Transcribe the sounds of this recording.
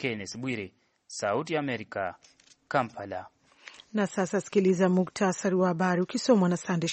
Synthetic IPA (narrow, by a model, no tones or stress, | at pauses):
kɛnɛsɓwiɾɛ | sautiaːmɛɾika | kampala | nasasasi̥kilizamuktʰasaɾiwahaɓaɾiukisɔmanasandɛ